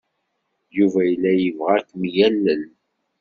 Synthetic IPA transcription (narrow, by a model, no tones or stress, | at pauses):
juvæjəlːæjəvʁækːmjælːən